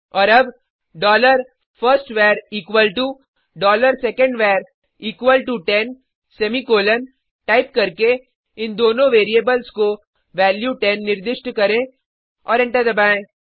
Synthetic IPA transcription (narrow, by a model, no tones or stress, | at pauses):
ɔːɾɐb | ɖɔːləɾ | fəɾsʈʋeːɾiːkʋəlʈu | ɖɔːləɾsɛkə̃ɳɖʋɛːɾ | iːkʋəlʈuʈɛn | sɛmikoːlən | ʈaːɪp̚kɐɾke | ɪnd̪oːnõʋeːɾiebəlsko | ʋɛːljuʈɛnːɪɾd̪ɪʃʈkɐɾẽ | ɔːɾɛ̃ɳʈəɾd̪ɐbaːẽː